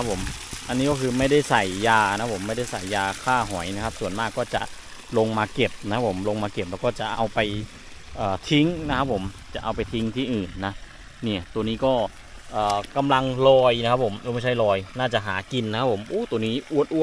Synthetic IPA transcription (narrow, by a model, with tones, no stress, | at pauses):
a˦˥p̚ʰːo˨˩˦mʔa˧nːiː˦˥kɔː˥˩kʰɯː˧ma˥˩jda˥˩jsa˨˩jːaː˧˨na˦˥pʰo˩˦mːa˥˩jda˥˩jsa˨˩jːaː˧kʰaː˥˩ɦɔ˩˦jna˧˦˥kʰa˦˥p̚su˨˩ənmaː˥˩kːɔː˥˩t͡ɕa̰˨˩ʔ | lo˧ŋmaː˧ke˨˩p̚na˧kʰa˦˥pʰo˩˦mlo˧ŋmaː˧ke˨˩p̚lɛː˧˩wkɔː˥˩t͡ɕa˨˩ʔa˧wpa˧j | ʔɤː˨˩t̪ʰi˧˦˥ŋna˦˥kʰa˦˥p̚ʰːo˨˩˦mt͡ɕa̰˨˩ʔa˧wpa˧jt̪ʰi˦˥ŋt̪ʰiː˥˩ʔɯː˨˩nːa˦˥ | niː˧˩t̪u˧əniː˦˥kɔː˥˩ | ʔɤː˨˩ka˧mla˧ŋlɔː˧jna˧˦kʰpʰːo˩˦mː˧˦ma˥˩jt͡ɕʰa˥˩jlɔː˧jnaː˥˩t͡ɕa˨˩ʔɦaː˩˦ki˧nːa˧˥kʰa˦˥pʰo˩˦mʔuː˧˥˩t̪u˧əniː˦˥˩ʔu˧˩ət̪̚ʔu˧˩˦t̪̚